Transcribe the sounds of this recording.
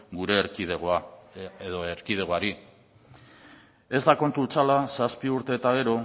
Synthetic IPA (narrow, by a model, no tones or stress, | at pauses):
ɡuɾe̞ɾiðeɣaeðoeɾkiðe̞ɣoaɾi | e̞zd̪ako̞nt̪ult͡salasaspiuɾt̪e̞ːt̪aɣ̞e̞ɾo̞